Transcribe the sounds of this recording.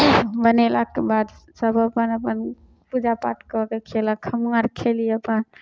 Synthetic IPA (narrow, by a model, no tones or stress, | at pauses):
bənelakebad̪səbʱəpənəpən | pud͡ʒapa̰ʈʰkəkekʰelakʰhəmŋaɾkʰeliəpən